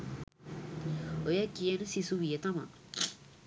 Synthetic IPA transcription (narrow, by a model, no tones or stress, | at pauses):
ojakienəsisuwjet̪ama̰ʔ